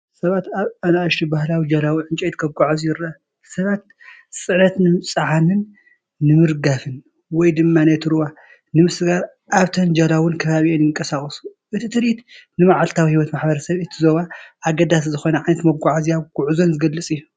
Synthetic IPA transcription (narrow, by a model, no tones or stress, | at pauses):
sɐβat̪aβanaʃt̪ʰibahlawid͡ʒɐlawɨʕɨnt͡ʃʼɛjt̪kʰɐɡʷaʕazujɪɾɐ | sɐβat̪̚ | sʼɨʕnɐt̪nɨmɨt͡sʼɨʕanɨnː | ɨmɨɾɡafɨn | wɔjd̪ɨmːanɐt̪ʰɨɾβa | nɨmɨsɨɡaɾ | ʔaβt̪ʰɐnd͡ʒalawʊnkʰɐβaβionjɪŋkʼɐsaχʼɐsu̥ʔɨt̪ʰit̪ʰɨɾit̪nɨmaʕalt̪ʰawihiwɔt̪maħbɐɾɐsɐβɨt̪ʰizo̞βaʔːɡɐd̪as̬zɨxo̞nɐʕajnɐt̪mɐɡʷaʕaziaβɡ̥uʕuzo̞nzɨɡɐlːɨt͡sʼijːu